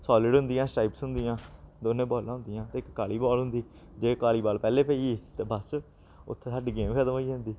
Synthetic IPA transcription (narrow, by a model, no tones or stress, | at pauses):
sɔːlɪɖɦʊnd̪ɪjãːsʈaːiːpsɦʊnd̪ɪjãːd̪oːnẽːbɔːlãːɦʊnd̪ɪjãːt̪eːɪkːaːliːbɔːlɦʊ̃nd̪iː | d͡ʒeːkaːliːbaːlpɛːleːpɛːiːt̪eːbəs | ʊ̰t̪ʰːeːsaːɖiːɡeːmkʰəd̪əmoːiːɦə̃nd̪iː